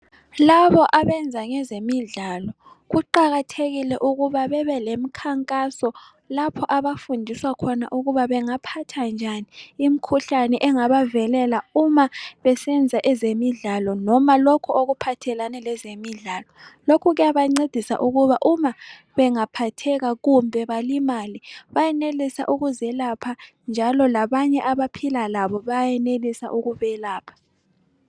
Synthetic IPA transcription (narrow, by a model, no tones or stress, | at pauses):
laβɔʔaβɛnd͡zʱaŋɛzemiɮalɔ | ɣuǃaɣatʰeɣilɛʔuɣuβaβɛβɛlemikʰaŋkʼasɔ | lapʰɔʔaβafundʱiswakʰɔna̰ʔuɣuβaβɛŋapʰatʰand͡ʒʱaniːm̩kʰuɬanɛʔɛŋaβavɛlɛlaumaβɛsɛnd͡zʱaʔɛzemiɮalɔnɔmalɔkʰuoɣupʰatʰɛlanɛlɛzemiɮaːlɔlokʰuɣɛjaβaŋ͡ǀed̥ʱisa̰ʔuɣuβaʔuma | βɛŋapʰatʰɛɣaɣumbʱɛβalimaliβajɛnelisa̰ʔuɣuzɛlapʰa | nd͡ʒʱalɔlaβaɲɛʔaβapʰilalaβɔβajjɛnelisa̰ʔuɣuβɛlaːpʰḁ